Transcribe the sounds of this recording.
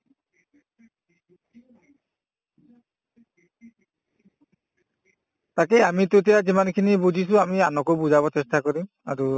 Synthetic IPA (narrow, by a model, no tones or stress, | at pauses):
t̪akeamit̪ot̪̬ijazimankʰinibud͡ʒʱisũamianɔkobud͡ʒabɔt͡ʃestakɔɾim | a̰ɾu